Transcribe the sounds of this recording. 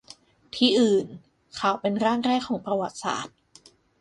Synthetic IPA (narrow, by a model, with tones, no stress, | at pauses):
t̪ʰiː˧ʔɯː˨˩n | kʰa˨˩wpe˧nɾaː˥˩ŋɾɛː˥˩kʰːɔː˩˦ŋpɾa˧wa˨˩t̪̚sa̰ː˨˩t̪̚